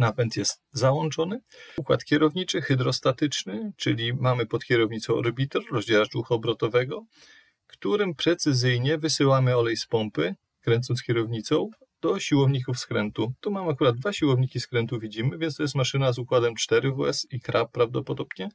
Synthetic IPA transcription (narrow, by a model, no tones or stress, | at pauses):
napɛnt̪jɛst̪zawɔnt͡ʂɔnɘukwa̰t̪kʲɛɾɔvɲit͡ʂɘxɘd̪ɾɔst̪at̪ɘt͡ʂnɘt͡ʂɘlʲimamɘpɔt̪kʲɛɾɔvɲit̪sɔ̃w̃ɾbʲit̪ɔɾɾɔzd͡ʑaɾat͡ʂuxaɔbɾɔt̪ɔvɛɡɔ | kt̪uɾɘmpɾɛt̪sɘzɘjɲɛvɘsɘwamɘɔlɛjspɔmpɘ | kɾɛnt̪sɔnskʲjɛɾɔvɲit̪sɔ̃w̃ | d̪̥ɔɕiwɔvɲikufskɾɛnt̪ut̪umamakuɾad̪̚d̪vaɕiwɔvɲikʲiskɾɛnt̪uvʲid͡ʑimɘvʲjɛnst̪ɔjɛst̪maʂɘnazukwad̪ɛmt͡ʂt̪ɛɾɘvuɛsikɾapːɾavd̪ɔpɔd̪ɔbɲɛ